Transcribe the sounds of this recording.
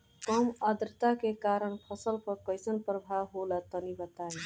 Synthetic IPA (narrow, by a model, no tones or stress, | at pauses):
kʌməd̪ɾət̪akekaɾəɳpʰʌsəlpəɾkəjsənpɾəbʱaɦolat̪ənibət̪ai